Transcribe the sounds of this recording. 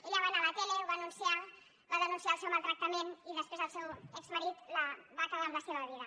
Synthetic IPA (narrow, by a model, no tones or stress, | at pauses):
eʎaβanalat̪eleβanunsia | baðənunsiaəlˠsewmalˠt̪ɾək̚t̪əmeniðəspezðəlˠsewɛkzməɾit̪laβakalamlaseβaaβ̞iðə